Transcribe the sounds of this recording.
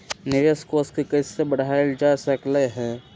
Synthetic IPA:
nɪɾəskoːskikəɪsebəɽ̤aeld͡ʒasəkleɦɛ̃ː

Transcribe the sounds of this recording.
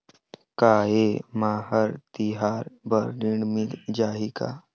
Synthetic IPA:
kaːeːmaːɦəɾt̪iɦaːɾbəɾɾɪɽmild͡ʒaːɦika̰ː

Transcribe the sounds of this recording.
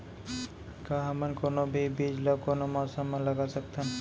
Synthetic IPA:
kaɦamankonobibid͡ʒlokonomasamalaɡat͡ʃak̚t̪ʰan

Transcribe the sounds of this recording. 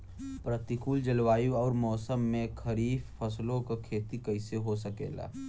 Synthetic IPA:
pɾɐt̪ikuːld͡ʒɐlwaːjuɔːɾmɔːsəmːẽkʰɐɾiːffɐslõkokʰeːt̪ikɐɪseɦosɐkḛːla̰ː

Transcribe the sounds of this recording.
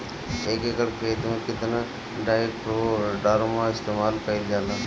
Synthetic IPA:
eːkeːkəɽkʰeːt̪mẽkɪt̪nə | ɖaːɪkpɾoɖaːɾomãɪst̪eːmaːlkəiljaːlaː

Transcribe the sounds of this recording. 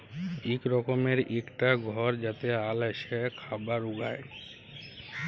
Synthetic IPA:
ekɾɔkomeɾekʈaɡʱɔɾd͡ʑat̪ealeʃekʰabaɾuɡa̰j

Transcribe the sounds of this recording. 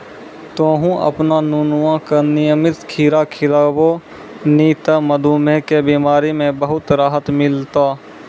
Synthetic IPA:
t̪õːɦũʔə̰pnanuːnʊʋãkanɪjəmɪt̪kʰiːɾakʰɪlaːbo | niːt̪aməd̪ʱuːmekebiːmaːɾimẽbəɦʊt̪ɾaːɦət̪mɪlt̪aː

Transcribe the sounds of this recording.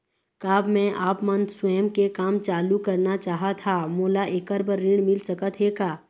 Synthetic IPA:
kaːbmɛ̃ʔaːpmənswɛːəmkekaːmt͡ʃaːlukɐɾnat͡ʃaːɦat̪ʰamoːlaʔeːkəɾbəɾːɪɳ̃mɪlsəkət̪ɦeːɡaː

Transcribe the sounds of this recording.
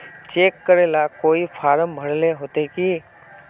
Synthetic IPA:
t͡ʃeːkːəɾeːlakoːipʰaːɾəmbʱəɽleɦoːt̪ekiː

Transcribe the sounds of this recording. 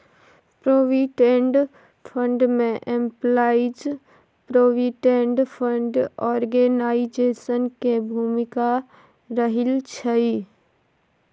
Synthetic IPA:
pɾoːʋiʈẽɳɖ | pʰə̃ɳɖmẽʔẽmplaːɪd͡ʒ | pɾoːʋiʈẽɳɖpʰə̃ɳɖɔːɾɡenaːɪd͡ʒeːsənkebʱuːmɪka | ɾəɦɪlt͡ʃʰəi

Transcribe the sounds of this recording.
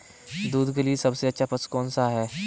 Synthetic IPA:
d̪uːd̪ɡəlisɐbseɐtːʃʰapəskɔːnsaɦɛː

